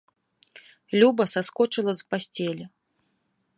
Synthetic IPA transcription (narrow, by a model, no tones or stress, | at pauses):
lʲubɐsaskɔt͡ʂɨlˠɐzpasʲt͡sʲɛlʲɛ